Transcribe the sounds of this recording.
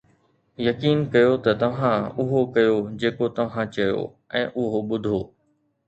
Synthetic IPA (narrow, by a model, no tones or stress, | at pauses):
jɐkiːnkɐjot̪ɐt̪ɐʋ̤ãʊɦokɐjod͡ʑeːkot̪ɐʋ̤ãt͡ɕɐjo̰ː | ɛ̃ːʔʊɦoɓʊd̪ʱoː